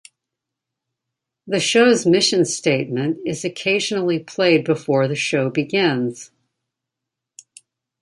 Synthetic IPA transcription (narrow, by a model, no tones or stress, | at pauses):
ðɨʃoʊzmɪʃɨ̃nsteɪt̚mɨ̃ntɨzɨkʰeɪʒnl̩ˠipʰl̥eɪd̚bɨfɔɹðɨʃoʊbɨɡɪ̃nz̥